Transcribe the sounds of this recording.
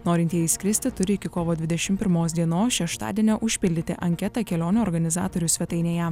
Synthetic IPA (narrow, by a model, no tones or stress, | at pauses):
noːɾʲɪnʲt̪ʲjɛɪsʲkʲɾʲɪsʲt̪ʲɪt̪ʊɾʲɪɪkʲɪkoːʋoːd̪ʲʋʲɪd̪ʲɛʃʲɪmpʲɪɾmoːs̬d̪ʲiɛnoːsʃʲɛʃt̪ɑ̰ːd̪ʲiɛnʲoːʔʊʃʲpʲɪlʲd̪ʲɪt̪ʲɪ̰ʔɐŋʲkʲɛt̪ɐkʲɛlʲoːnʲuːɔːɾɡɐnʲɪzɑ̰ːt̪oːɾʲʊsʲʋʲɛt̪ɐɪnʲeːjɛ